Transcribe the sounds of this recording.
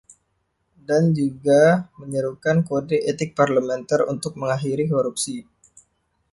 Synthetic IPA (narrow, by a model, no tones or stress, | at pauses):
dand͡ʒuɡaməɲəɾukankodeet̪ɪk̚parlamɛnt̪arṵnt̪ʊk̚məŋaɦiɾikoɾup̚si